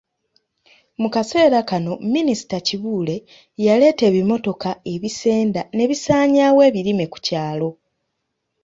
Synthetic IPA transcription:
mukase̞ːɾakano̞minisi̥taciβuːle̞ | jale̞ːte̞ːβimo̞to̞kae̞βise̞ːndane̞βisaːɲaːwe̞ːβiɾime̞ku̥caːlo̞

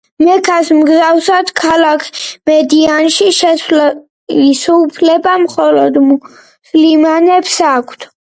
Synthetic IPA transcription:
mɛkʰasmɡzawsad̪kʰalakʰmɛd̪ianʃiʃɛ | isɔupʰlɛbamχɔlɔd̪ | sʰlimanɛpsakʷʰt̪ʰ

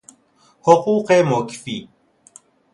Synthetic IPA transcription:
hʊquːqɛmokfi

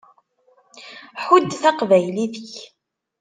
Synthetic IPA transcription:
ħud̪θɑqvæjliðəç

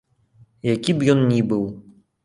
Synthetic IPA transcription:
jakʲibjɔnnʲibɨw

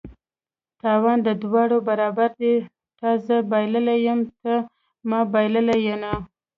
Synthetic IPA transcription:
t̪ɑwɑnd̪əd̪wɑɽobaɾɑbaɾd̪e | t̪ɑzəbɑjləlajəmt̪ə | mɑbɑjləlajana

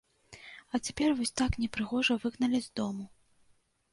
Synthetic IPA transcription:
ɐt͡sʲɛpʲɛrvɔsʲt̪aknʲɛpɾɨɣɔʐɐvɨɣnɐlʲizʲd̪ɔmu

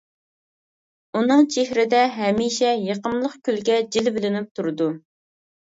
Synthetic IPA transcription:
unɨŋt͡ʃʰehɾɪd̪ɛɦɛmiʃɛjeqəmlˠəqkʲylɡʲɛd͡ʒilbɪlɪnɪp̚t̪ʰuɾɨd̪u

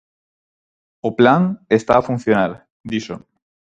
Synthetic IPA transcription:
oplaŋest̪aːfun̟θjonaɾ | d̪iʃo

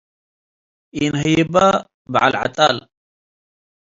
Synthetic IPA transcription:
inɦiba | ba̰ʕalʕa̰t̪ʼa̰ːl

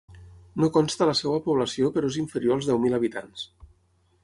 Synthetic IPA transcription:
nokɔnst̪ələsɛwəpuβ̞ləsiopəɾoeziɱfəɾjoalˠzðɛwmiləβit̪ans

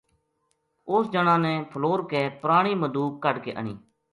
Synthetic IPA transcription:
ʊsd͡ʒənãːnɛ̃ːpʰəloːɾkeːpɾaːɽ̃iːməd̪uːkːəɖkḛːʔə̰ɳḭː

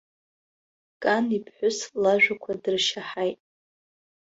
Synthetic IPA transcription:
kʼanipʰħʷᶣʊslaʒᶣakʷʰadɨrʃaħajtʼ

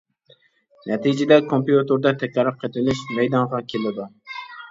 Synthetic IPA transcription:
nʔɛt̪ʰid͡ʒɪd̪ɛkʰompijut̪ʰoɾd̪ɑt̪ʰɛkʲɑɾɨp̚qʰet̪ʰɪnɪʃmɛjd̪ɑɴʁɑkʲʰelɪd̪u

